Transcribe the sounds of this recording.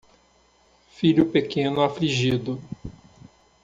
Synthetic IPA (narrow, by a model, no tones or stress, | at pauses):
fiʎʊpekẽnʊafliʒid̪ʊ